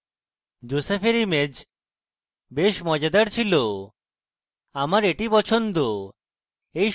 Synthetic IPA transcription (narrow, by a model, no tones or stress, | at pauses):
d͡ʑosefʰeɾimed͡ʑ | beʃmɔd͡ʑad̪aɾt͡ɕʰilo | amaɾeʈipɔt͡ɕʰond̪o | ej